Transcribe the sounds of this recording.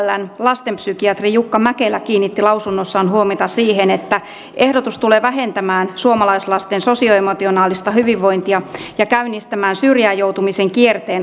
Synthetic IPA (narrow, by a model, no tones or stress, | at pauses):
lːænlɑst̪empsykiɑt̪rijukːɑmækelækiːnːit̪ːilɑwsunːosːɑːnhuomit̪ɑsiːɦenet̪ːæ | ʔe̞hdot̪ust̪uleːʋæɦent̪æmæːnsuomɑlɑislɑst̪enso̞sioemot̪ionɑːlist̪ɑhyʋiʋːo̞int̪iɑjɑkæynːist̪æmæːnsyrjæːjowt̪umiseŋkiert̪eːn